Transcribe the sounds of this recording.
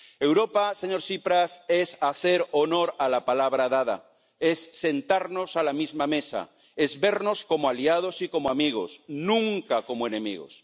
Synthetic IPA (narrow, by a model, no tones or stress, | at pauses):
e̞wɾo̞pase̞ɲo̞ɾsipɾasesaθe̞ɾono̞ɾalapalaβɾaðaða̰ | e̞sːe̞nt̪aɾno̞salamizmame̞sa̰ | e̞zβe̞ɾno̞sko̞moaliað̞osiko̞moamiɣ̞o̞̰snũŋkako̞moe̞nẽ̞mḭɣo̞̰s